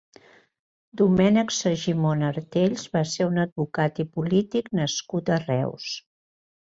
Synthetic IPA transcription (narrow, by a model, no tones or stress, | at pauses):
d̪umɛnəksəʒimonəɾt̪eʎzβaseɾunəd̪̚βukat̪ipulit̪iknəskut̪ərɛ̰ws